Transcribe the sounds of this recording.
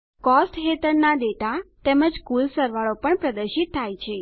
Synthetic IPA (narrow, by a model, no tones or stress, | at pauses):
kɔsʈɦet̪əɾnaɖ̪eʈat̪eməd͡ʒkulsəɾʋaɭopəɳpɾəd̪əɾʃit̪ʰːajt͡ʃʰe